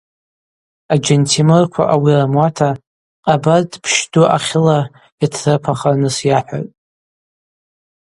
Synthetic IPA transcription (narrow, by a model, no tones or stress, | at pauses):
ad͡ʒentʰimɨrkʷʰa̰ʔawiramwatʰa | qʼabadpʰʃduʔaχʲɪla | itʰrɨpʰaχanɨsjaħʷᶣa̰tʼ